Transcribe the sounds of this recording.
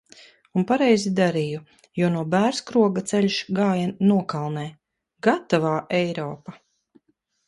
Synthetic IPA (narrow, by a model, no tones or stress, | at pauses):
unpaɾɛjzid̪aɾiju | junuɔbæːɾskɾuɔɡat̪sɛʎʲʃɡaːjanuɔkalˠnɛː | ɡat̪avaːʔɛjɾɔːpa